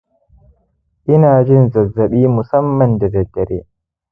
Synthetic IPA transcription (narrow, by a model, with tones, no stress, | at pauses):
ʔɪ˦naː˨d͡ʒɪ˦nzɐ˨zːɐ˨ɓiː˦mʊ˨sɐ˦mːɐ˨nda˨dɐ˨dːɐ˨ɾḛː˦